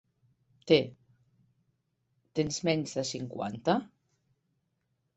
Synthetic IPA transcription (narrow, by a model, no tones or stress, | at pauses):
t̪e | t̪enzmɛɲzðəsiŋkwa̰nt̪a